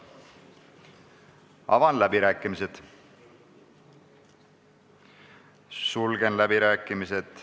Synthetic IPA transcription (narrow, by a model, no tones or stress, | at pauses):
ɑ̰vɑnlæbiɾæːkːˑimised̪̥ | sulɡenlæbiɾæːkːˑimised̪̥